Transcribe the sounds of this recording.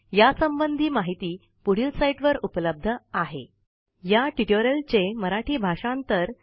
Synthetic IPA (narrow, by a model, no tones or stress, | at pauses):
jasəmbənd̪ʱiːmaɦit̪iː | puɽ̤isajʈʋəɾupləb̚d̪ʱəaɦḛ | jaʈiʈoɾəlt͡ɕeməɾaʈʰiːbʱaʂãnt̪əɾ